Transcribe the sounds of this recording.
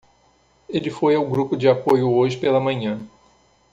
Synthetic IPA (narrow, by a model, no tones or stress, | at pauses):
elɪfojawɡɾupʊd͡ʒɪapojʊoʒɪpelɐmɐ̃ɲɐ̃